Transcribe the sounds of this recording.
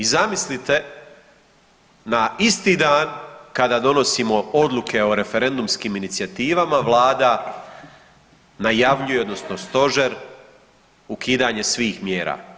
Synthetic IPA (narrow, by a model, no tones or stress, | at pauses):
izamislit̪e̞ | naist̪iːd̪aːnkad̪aːd̪o̞nosimo̞o̞d̪luke̞o̞ɾe̞fe̞ɾe̞nd̪umskiːminit̪sijat̪iːʋamaʋlˠaːd̪a | najaʋʎujeo̞d̪no̞sno̞st̪o̞ʒe̞ɾ | ukiːd̪aːɲe̞sʋiːxmjeːɾa̰ː